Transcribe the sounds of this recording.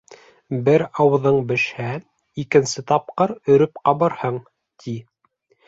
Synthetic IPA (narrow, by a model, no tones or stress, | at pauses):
bɘɾɑw̆ðɤɴbɘ̆ʃhæ | ikɘ̆nsɘt̪ɑp̚qɤɾɵ̆ɾɵp̚qɑβɤɾhɤɴ | t̪ʰi